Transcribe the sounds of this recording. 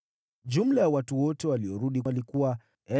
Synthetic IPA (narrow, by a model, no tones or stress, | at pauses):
ʄum̩lajawatuwɔtɛwaliɔɾuɗialikuwa | ɛ